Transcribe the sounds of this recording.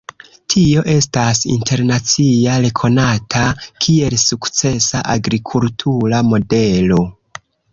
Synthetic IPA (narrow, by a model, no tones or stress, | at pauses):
tʰio̞ʔe̞stasḭntʰe̞ɾnat͡siaɾe̞kʰo̞natʰakʰie̞lsukt͡se̞saʔaɡɾikʰultʰuɾamo̞de̞lo̞